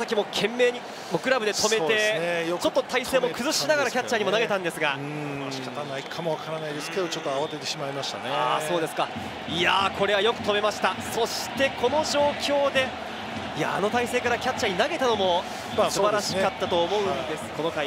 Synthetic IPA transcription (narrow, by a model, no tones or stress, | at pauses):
sakʲimo̞kʰẽ̞mːe̞ːɲ̟i | mokɯ̟ɾabɯ̟d̪e̞t̪ʰo̞me̞e̞eejt͡ɕo̞t̪ːot̪aiseːmo̞kɯ̟zɨɕinaɡaɾakʲat͡ɕːaɲ̟imo̞naɡe̞t̪ãnd̪e̞sɨɡa | ɕi̥kat̪anaikʰamo̞βakaɾanaid̪esɨ̥ked̪ot͡ɕot̪ːoaβat̪et̪e̞ɕimaimaɕi̥t̪a̰neaso̞ːd̪e̞sɨ̥ka | iakʰo̞ɾe̞β̞ajo̞kɯ̟t̪o̞me̞maɕi̥t̪aso̞ɕi̥t̪e̞ko̞no̞ʑo̞ːkʲo̞ːd̪e̞ | ija̰ːno̞t̪aise̞ːkaɾakʲat͡ɕːaɲ̟inaɡe̞t̪ano̞mo̞ | sɨbaɾaɕi̥kat̪ːat̪oːmo̞ɯ̟̃nd̪e̞sɨ̥ko̞nokai